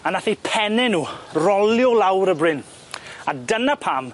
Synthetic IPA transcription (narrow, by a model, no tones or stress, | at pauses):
anaθipʰɛnɛnuːrɔljɔlawɾəbrɪn | adənapʰaːm